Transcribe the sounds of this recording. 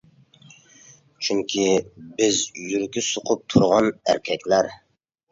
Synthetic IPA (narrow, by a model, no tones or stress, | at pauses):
t͡ʃʰyŋkʲʰibɪzjyɾkʲisoqʰʊp̚t̪ʰuɾʁɑnæ̰ɾkʲʰɛkʲlæɾ